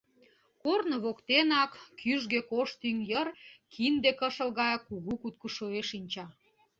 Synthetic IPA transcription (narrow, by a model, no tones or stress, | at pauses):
kornŏβokt̪enɑkːyʒɣekoʃt̪yŋjərkʰind̪ekəʃəlɣɑjkuɣukut̪̚kəʃoeʃinʲt͡ɕɑ